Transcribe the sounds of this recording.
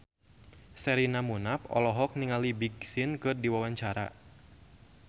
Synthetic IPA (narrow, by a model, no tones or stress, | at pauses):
sɛɾinamunapɔ̰lɔɦɔk̚niŋalibiɡsinkɨrdiwawaɲt͡ʃaɾa̰